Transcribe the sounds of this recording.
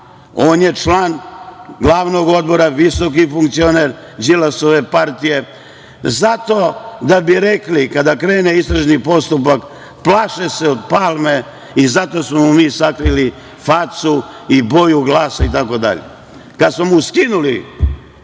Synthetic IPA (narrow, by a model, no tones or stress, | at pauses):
oːnje̞t͡ʃlaːnɡlˠaːʋno̞ɡo̞d̪̚bo̞ɾaʋiso̞k̬ifuŋk̚t̪sio̞neɾ | d͡ʒilaso̞ʋe̞paɾt̪ije̞ | zat̪o̞d̪abiɾeklikad̪akɾe̞ːneist̪ɾaʒnipo̞st̪upak | plˠaːʃeseod̪̚paːlme̞ | izat̪o̞smomumiːsakɾili | fat̪su | ibo̞juɡlˠaːsait̪ako̞d̪a̰ʎḛ | kad̪smomuskinuli